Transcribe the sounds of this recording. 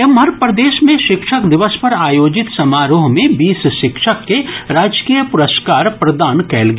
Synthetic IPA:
emɦəɾpɾəd̪eːʃmẽʃɪkʃəkd̪ɪʋəspɐɾaːjoːd͡ʒɪt̪sɐmaːɾoːɦmẽbiːsʃɪkʃəkːeɾaːd͡ʒkiːjəpʊɾəskaːɾpɾɐd̪aːnkɛːlɡ

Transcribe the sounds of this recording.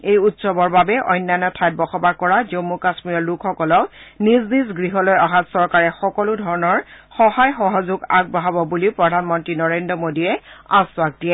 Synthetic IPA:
ejutsɔbɔɹbabɛʔɔ̰jnːajnɔtʰajt̚bɔxɔbaɹkɔɹazomːukasmiɹɔlukʰxɔkɔlɔniznizɡɹiɦɔlojaɦatsɔɹkaɹɛxɔkɔlʊdʱɔɹɔnɔɹxɔɦajxɔɦɔzʊɡa̰ɡ̚baɦabɔbuliʊpɹɔdʱanmɔntɹinɔɹendɹɔmodijɛaswak̚diɛ

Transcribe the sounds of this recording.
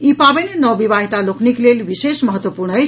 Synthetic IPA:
ipabenenʌbibaɦit̪alokʰniklelbisesmʌɦʌt̪wəpuɾɳəj

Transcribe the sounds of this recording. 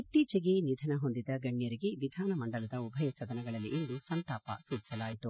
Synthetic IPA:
it̪ːiːt͡ʃɐɡe̞nid̪ʱɐnɐɦo̞nd̪id̪ɐɡɐɳːjɐɾiɡe̞ʋid̪ʱaːnɐmɐɳɖɐlɐd̪ɐubʱɐjɐsɐd̪ɐnɐɡɐɭɐlːiind̪usɐnt̪aːpɐ̰suːt͡ʃi̥sɐlaːjit̪u

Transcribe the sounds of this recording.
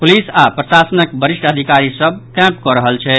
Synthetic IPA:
pulisapɾəsasənəkbəɾiʃʈʰəd̪ʱikaɾisəb̚ʱkɛ̃pkɔɾəɦəlt͡ʃʰɛ

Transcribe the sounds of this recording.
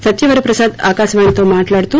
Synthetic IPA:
sɐt̪jɐʋɐɾepɾɐsad̪a̰ːkasʋɐɳ̃t̪omaːʈlaɽt̪u

